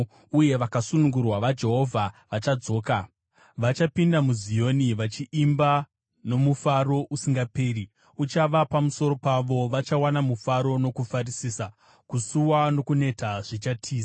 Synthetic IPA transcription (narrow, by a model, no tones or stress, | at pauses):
uje̞ʋakasunuŋɡurwaʋad͡ʒe̞ɦo̞vʱaʋat͡ʃad͡zo̞ːka | ʋat͡ʃapindamuzijo̞niʋat͡ʃiʔːmba | no̞mufaro̞ʔusiŋɡape̞ːri | ut͡ʃaʋapamuso̞ɾo̞paʋo̞ʋat͡ʃawanamufaɾo̞no̞kufarisiːsa | kusuwano̞kune̞taʐ̥it͡ʃatʰiːsa